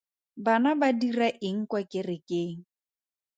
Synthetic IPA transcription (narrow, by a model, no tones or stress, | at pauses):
banabadiraʔɪŋ̩kwakʼɪrɪkʼeːŋ̩